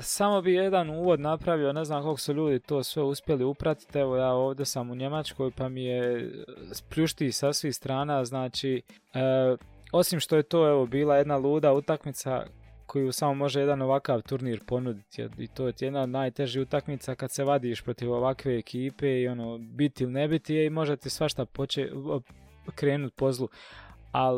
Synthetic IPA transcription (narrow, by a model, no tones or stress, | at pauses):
samo̞bije̞d̪anuːʋod̪napɾaʋione̞znaːmko̞lˠko̥suʎuːd̪it̪o̞ːsʋe̞uspje̞liupɾat̪i̥t̪ɛʋo̞jaːo̞ːʋd̪ʲjesamuɲe̞mat͡ʃko̞jpamije | spʎuʃt̪iːsasʋiːhst̪ɾaːnaznaːt͡ʃiː | o̞simʃt̪oje̞t̪oːeʋo̞biːlˠaje̞d̪nalˠuːd̪aut̪akmit̪sa̰kʰo̞jusamomo̞ʒejed̪ano̞ʋakaːʋt̪uɾniːɾpo̞nud̪it̪jḛḭt̪oːt̪ijed̪naod̪naːjt̪e̞ʒiut̪akmit̪sakad̪se̞ʋad̪iːʃpɾo̞t̪iʋo̞ʋakʋe̞ːkʰiːpeio̞noːbit̪iilinebit̪ijeimo̞ʒet̪isʋaʃt̪apot͡ʃe | kɾe̞ːnut̪̚po̞zlˠua